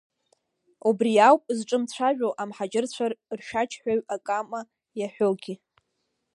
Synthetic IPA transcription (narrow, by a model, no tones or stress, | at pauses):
ubrijawpʼzʈ͡ʂʼɨmt͡ɕʷʰaʒᶣʷowʔamħad͡ʒɪrt͡ɕʷʰarrʃat͡ʃʰħᶣaɥakʼama | jaħʷᶣolɡʲi